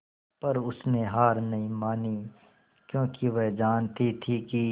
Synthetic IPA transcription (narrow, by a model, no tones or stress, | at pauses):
pɐɾʊsneɦaːɾnɐɦĩmaːni | kjõːkiʋɛɦd͡ʒaːnt̪ʰit̪ʰiki